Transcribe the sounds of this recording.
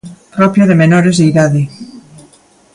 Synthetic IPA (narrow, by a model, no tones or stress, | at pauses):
pɾɔpjoðemenoɾezðeiðaði